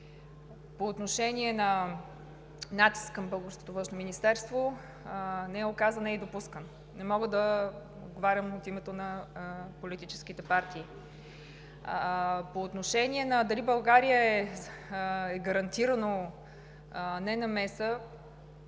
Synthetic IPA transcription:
poːt̪noʃɛniɛnɐ | nat̪i̥skkːɐmbɤlˠɡoɾsko̥t̪ovə̃nʃnominist̪ɛɾst̪vo | nɛɛokazənɛid̪opuskən | nɛmɔɡəd̪ə | o̰d̪ɡovaɾʲəmot̪imɛt̪onɐpolit̪it͡ʃɛ̥sk̟it̪ɛpaɾt̪iː | poːt̪noʃɛniɛnɐd̪ɐlibɐlˠɡaɾijəɛ | ɛɡəɾɐnt̪iɾəno | nɛnɐmɛsə

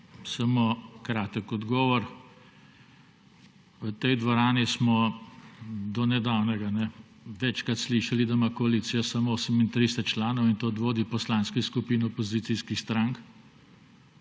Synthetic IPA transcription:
sɐmokɾaːt̪əkɔd̪ɡɔːʋɔɾ | ʋət̪ɛjd̪ʋɔɾaːnismɔ | d̪ɔnɛd̪awnɛɡanɛ | ʋɛt͡ʃkɾat̪sliʃɐlid̪amakɔalisijasamɔoːsəmint̪ɾiːst̪at͡ʃlaːnɔwint̪od̪ʋoːd̪ipɔslanskiskupiːnɔpɔziːt̪siːskixst̪ɾaŋk

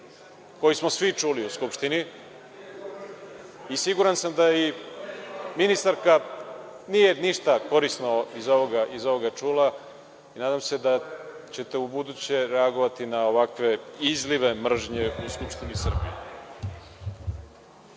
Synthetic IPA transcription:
ko̞jismo̞sʋit͡ʂuliuskupʃt̪ini | isiɡuɾansamd̪ai | minist̪aɾka | nije̞niʃt̪ako̞ɾisnoizo̞ʋoɡaʔizo̞ʋoɡat͡ʂuːla | inaːd̪amse̞d̪at͡ɕe̞t̪e̞ubud̪ut͡ɕe̞ɾeaɡo̞ʋat̪inaoʋakʋe̞izliʋe̞mr̩ʒɲeuskupʂt̪inisr̩bḭje

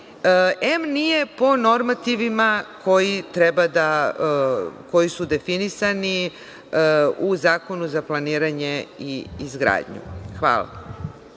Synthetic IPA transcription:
emnije̞po̞no̞ɾmat̪iʋimakʰo̞jit̪ɾebad̪a | ko̞jisud̪e̞finisani | uzaːko̞nuzaplˠaniːɾaɲe̞iizɡɾa̰ːd̪ɲṵxʋa̰ːlˠa̰

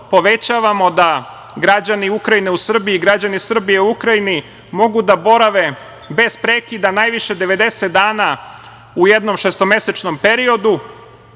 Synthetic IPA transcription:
po̞ʋe̞t͡ɕaːʋamo̞d̪a | ɡɾad͡ʑaniukɾajineusr̩biiːɡɾad͡ʑanisr̩bijeuukɾajini | mo̞ɡud̪abo̞ɾaʋe̞ | be̞z̥pɾeːkid̪anajʋiʃe̞d̪e̞ʋe̞d̪e̞set̪̚d̪aːna | ujed̪no̞mʃest̪o̞me̞se̞t͡ʃno̞mpe̞ɾio̞d̪u

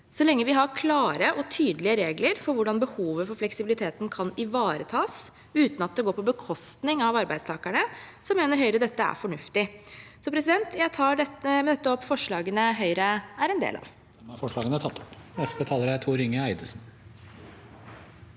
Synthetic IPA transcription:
sɔlɛŋːəʋɪɦɑɾkʰlɑːɾəʔɔt̪ʰyːd̪əlɪəɾeːɡləɾfɔɾʋʊɖɑnbəhuːʋəfɔɾflɛksɪbɪlɪt̪ʰeːt̪nkʰɑnɪʋɑːɾət̪ʰɑːs | ʉːt̪nɑt̪̚d̪ɛɡoːpʰɔbəkʰɔst̪nɪŋɑʋɑɾbæɪst̪ʰɑːkæɳəsɔmeːnəɾɦœʏɾəd̪ɛt̪ːəæ̰ɾfɔɳʉft̪ɪsɔpʰɾɛsɪd̪ɛnt̪jæɪt̪ʰɑːɖɛt̪əmɛd̪ɛt̪ːəɔpːfɔʂɭɑːɡənəɦœʏɾəæɾɛnd̪ḛːlɑ̰ʋ | ɛmɑɾfɔʂɭɑːɡənət̪ʰɑt̪ːɔ̥pnɛst̪ət̪ʰɑːləɾæɾt̪ʰuːɾɪŋəæɪd̪əsn̩

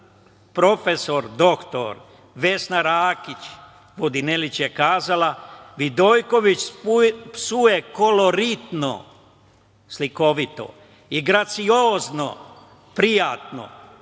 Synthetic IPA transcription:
pɾo̞feso̞ɾd̪o̞kt̪o̰ɾ | ʋe̞snaɾaːkit͡ɕ | ʋod̪inelit͡ɕjekaːzalaʋid̪o̞jko̞ʋit͡ɕ | sujeko̞lo̞ɾit̪no̰ | sliko̞ʋit̪o̞̰ | iɡɾat̪sioːzno̰ | pɾijat̪no̰

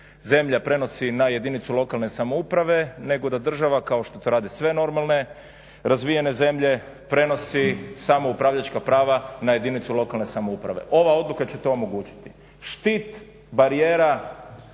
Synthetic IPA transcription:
ze̞mʎapɾe̞no̞sinaje̞d̪init̪sulˠo̞kalˠne̞samoupɾaʋe̞ne̞ɡo̞d̪ad̪r̩ʒaʋakao̞ʃt̪o̞t̪o̞ɾaːd̪isʋe̞no̞ɾmalˠne̞ | ɾazʋije̞ne̞ze̞mʎe̞ | pɾe̞no̞sisamo̞upɾaːʋʎat͡ʃkapɾaːʋanaje̞d̪init̪sulo̞kalne̞samoupɾa̰ʋe̞̰ʔo̞ʋao̞d̪lukat͡ɕet̪oomo̞ɡuːt͡ʃi̥t̪i | ʃt̪it̪ | baɾijeːɾa

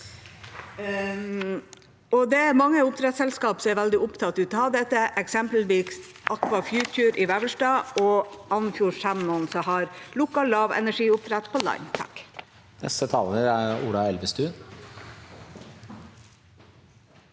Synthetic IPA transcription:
ɔd̪ɛæɾmɑŋːəʊp̚t̪ʰɾɛt̪sɛlskɑːpsɔɛʋæld̪ɪʊpt̪ʰɑt̪ʉːt̪ɔhɑːd̪ɛt̪ːəʔɛksɛmpl̩ʋiːks | ʔɑkʋɑfjʉːtʰʉːɾʔɪʋæʋəʂʈɑːɔɑnfjuːʂæmmɔnsɔhɑɾlʊkːɑllːɑːʋɛ̰næʂiːʊp̚t̪ʰɾɛt̪pʰɔlɑ̰nt̪ʰɑ̰k | nɛ̰st̪ət̪ʰɑːləɾæɾṵːlɑɛlʋəst̪ʉː

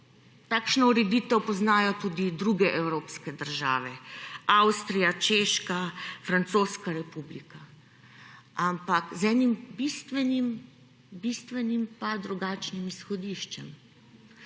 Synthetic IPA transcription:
t̪aːkʃnɔuɾɛd̪iːt̪ɛwpɔznaːjɔt̪uːd̪id̪ɾuɡɛʔɛwɾoːpskɛd̪əɾʒa̰ːʋɛawst̪ɾijat͡ʃeːʃkafɾant̪soːskaɾɛpublika | ampakzɛːnimbist̪ʋɛnim | bist̪ʋɛnimpad̪ɾuɡaːt͡ʃnimisxɔd̪iʃt͡ʃɛm

